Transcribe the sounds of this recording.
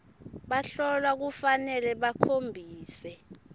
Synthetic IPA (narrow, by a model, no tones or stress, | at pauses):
ɓaɬɔlwak̬ufanɛlɛɓakʰombʱiːsɛ